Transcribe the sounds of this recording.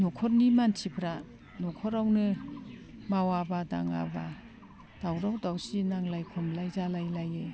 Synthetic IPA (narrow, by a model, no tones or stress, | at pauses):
nɔkʰɔɾnimantʰipʰɾa | nɔkʰɔɾawnɯ | mawabada̰ŋa̰ba | d̥awɾawdawsinaŋlajkʰɔmlajzalajlaje